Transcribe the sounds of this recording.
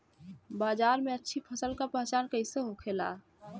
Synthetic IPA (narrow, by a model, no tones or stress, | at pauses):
baːd͡ʒaːɾmẽətːʃʰipʰəsəlkapəɦt͡ʃaːnkəɪseɦokʰela̰ː